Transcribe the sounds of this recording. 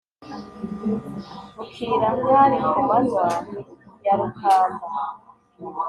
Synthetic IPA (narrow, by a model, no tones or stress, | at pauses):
ukiːɾaŋɡaɾimuuβazwaːmijaɾukʰaːnda